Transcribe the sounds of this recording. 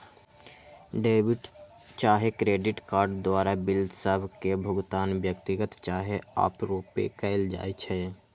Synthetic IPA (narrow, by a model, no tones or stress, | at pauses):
ɖeːbɪʈ | t͡ʃaːɦekɾeːɖɪʈkaːɾɖd̪waːɾabɪld̪səbʱkebʱʊɡt̪aːnʋjək̚t̪ɪɡət̪t͡ʃaːɦea̰ːpɾoːpḛkəɪld͡ʒa̰ːet͡ʃʰɛː